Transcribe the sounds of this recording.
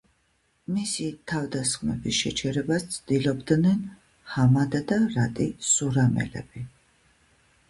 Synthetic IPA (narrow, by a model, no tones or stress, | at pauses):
misit̪ʰavd̪asχmɛbisʃɛt͡ʃʰɛɾɛbast̪sʰd̪ilɔbd̪nɛn | hamad̪ad̪aɾat̪ʼisuɾamɛ̰lɛ̰bi